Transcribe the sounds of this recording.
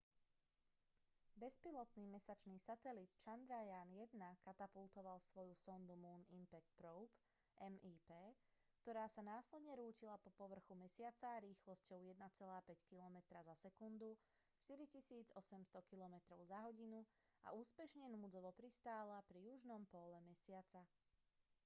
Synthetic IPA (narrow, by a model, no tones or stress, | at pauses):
bɛspilɔt̪niːmɛsat͡ʃniːsat̪ɛlit̪t͡ʃand̪ɾajaːnjɛd̪nakat̪apulˠt̪ɔʋalsʋɔjusɔnd̪umuːnimpɛk̚t̪̚pɾɔʊp | ʔɛmiːpɛː | kt̪ɔɾaːsanaːslɛd̪ɲɛɾuːcilapɔpɔʋr̩xumɛsɪat͡saɾiːxlɔscɔʊjɛd̪nat͡sɛlaːpɛckilɔmɛt̪ɾazasɛkund̪u | ʃt̪iɾicisiːd͡zɔsɛmst̪ɔkilɔmɛt̪ɾɔʊzaɦɔɟinu | a̰uːspɛʃɲɛnuːd͡zɔʋɔpɾist̪aːlapɾijuʒnɔmpɔlɛmɛsɪat͡sa